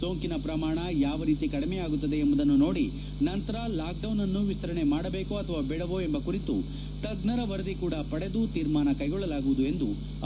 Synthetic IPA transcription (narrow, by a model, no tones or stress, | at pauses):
so̞ːŋkinɐpɾɐmaːɳɐjaːʋɐɾiːt̪ikɐɽimejaːɡut̪ːɐd̪e̞ːmbɐd̪ɐnːuno̞ːɽi | nɐnt̪ɐɾɐlaːk̚ɖɐwnɐnːuʋit̪ːɐɾɐɳe̞maːɽɐbe̞ːkuɐt̪ʰɐʋaːbeɽɐʋoembɐkuɾit̪ṵ | t̪ɐɡnɐɾɐʋɐɾɐd̪ikuːɽɐpɐɽe̞d̪ut̪iːɾmaːnɐkɐjɡɔɭːɐlaːɡuʋud̪uend̪u